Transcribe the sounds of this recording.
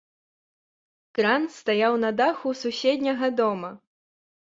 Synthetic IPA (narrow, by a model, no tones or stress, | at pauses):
kɾanst̪ajawnɐd̪axususʲed̪ʲnʲɐɣɐd̪ɔmɐ